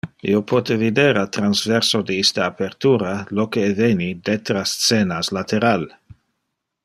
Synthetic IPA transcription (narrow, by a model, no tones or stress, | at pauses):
ḭopʰot̪evid̪eɾalt̪ɾanzveɾsod̪eist̪aːpeɾt̪uːɾalokeːvenid̪et̪ɾasseːnaslat̪eɾal